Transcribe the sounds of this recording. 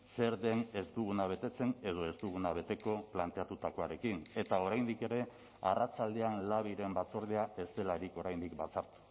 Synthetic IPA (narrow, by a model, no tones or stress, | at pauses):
se̞ɾðe̞ne̞st̪uɣ̞unaβ̞e̞t̪e̞t͡se̞ne̞ð̞o̞e̞st̪uɣ̞unaβ̞e̞t̪e̞ko̞plant̪e̞at̪ut̪ako̞aɾe̞kine̞t̪ao̞ɾajnd̪ike̞ɾe̞ | a̰rat͡sald̪e̞anlaβ̞iɾe̞mbat͡so̞ɾðeae̞st̪e̞laɾiko̞ɾajnd̪ik̚bat͡saɾt̪u̥